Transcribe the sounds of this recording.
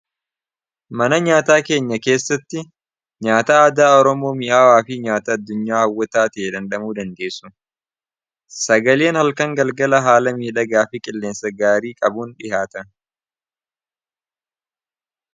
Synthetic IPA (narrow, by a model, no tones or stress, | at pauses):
mɐnɐɲaːt̪aːke̞ːɲːɐke̞ːsːɐt̪ːɪ | ɲaːt̪aːɐd̪aːɔɾɔmo̞ːmɪʔaːwaːfɪɲaːt̪ɐɐd̪ːʊɲːaːhɐwːɐt̪aːt̪eːd̪ɐnᶑɐmuːd̪ɐnd̪e̞ːsːʊ | sɐɡɐle̞ːnhɐlkɐŋɡɐlɡɐlɐɦaːlɐmiːᶑɐɡaːfɪkʼɪlːe̞ːnsɐɡaːɾiːkʼɐbuːnᶑɪhaːt̪ɐn